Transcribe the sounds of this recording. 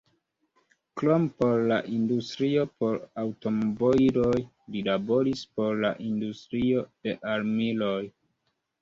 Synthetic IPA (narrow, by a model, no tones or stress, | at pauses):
klompo̞ɾla̰ʔindustɾio̞po̞ɾawto̞moboiɾoj | lilabo̞ɾispo̞ɾla̰ʔindustɾio̞d̥e̞ʔaɾmiloj